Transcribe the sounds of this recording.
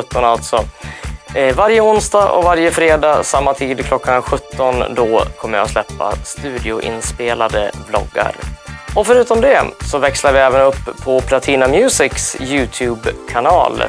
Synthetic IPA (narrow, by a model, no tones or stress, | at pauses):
ɵt̪ːɔnalt̪sɔ | vaɾjəʊnsd̪ɑːʔɔ̰vaɾjəfɾeːd̪ɑːsamːat̪ʰiːd̪kʰlɔkːanɧɵt̪ːɔnd̪ɔkʰɔmːəjɑ̰slɛpːa̰st̪ʉ̟ːd̪ɪʊʔɪ̰nspeːlad̪ə̰blɔ̰ɡːa̰ɾɔfœɾʉ̟ːt̪ɔmd̪ɛsɔvɛkslaɾvɪɛːvənɵpʰːɔpʰlat̪ʰiːnamjʉ̟ːsɪksjʉ̟ːt̪ʰʉːbkʰanɑ̰ːl